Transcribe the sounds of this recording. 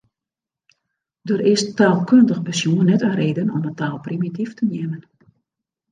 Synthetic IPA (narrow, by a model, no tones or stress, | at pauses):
døɾɪstaːlˠkʰøndəɣəpəsjuənːɛtəɾeːdənɔ̰mətaːlˠprimitiftənjɛmən